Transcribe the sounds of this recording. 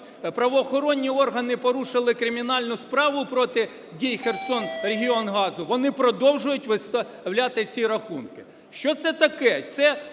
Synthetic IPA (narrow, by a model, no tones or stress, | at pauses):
pɾɐʋɔːxɔɾɔnʲːiɔrɦɐnɪpɔɾuʃɪlˠɪkɾɪmʲinɑlʲnʊspɾɑʋʊpɾɔt̪ɪ | dʲijxersɔnreɦʲiɔnɦɑzʊʋɔnɪpɾɔd̪ɔwʒʊjʊtʲʋɪst̪ɐ | wlʲat̪ɪt͡sʲiɾɐxunkɪ̥ | ʃt͡ʃɔt̪sɛt̪ɐkɛt̪sɛ